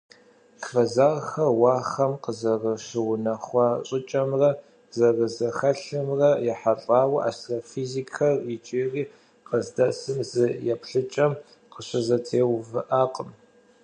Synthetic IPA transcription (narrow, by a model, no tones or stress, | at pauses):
fɐzaːʁxɐwɑːχɐmqəzɐrɐʃɪwʊnɐχʷɑːɕʼɪt͡ʃʼɐmrɐ | zɐrɨzɐxɐɬɨmrɐjɛħaɬʼaːwʔa̰ːstrafizikʰɐrɪt͡ʃʼeːriː | qəzdɐsɨmzɨjɛpʰɬɨt͡ʃʼɐm | qəɕɐzɐtʰeːwvɨʔaːqʼəm